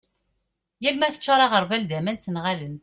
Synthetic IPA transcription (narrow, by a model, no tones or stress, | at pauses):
jælmæθə̥t͡ʃːɑɾˤɑʁəɾˤvælðæmænt̪ənʁalən